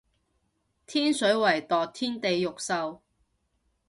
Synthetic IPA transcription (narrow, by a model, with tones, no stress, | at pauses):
t̪ʰiː˥nsɵ˨˥wɐ˨˩jt̪ɔː˨k̚t̪ʰiː˥nt̪e˨jːʊ˨k̚sɐ˧w